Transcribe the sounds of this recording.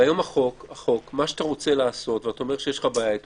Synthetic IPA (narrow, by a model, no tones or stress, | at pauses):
ajo̞maχo̞kaχo̞kmaʃeat̪aʁo̞t͡selaːso̞tveataomeʁʃejeʃlχabait̪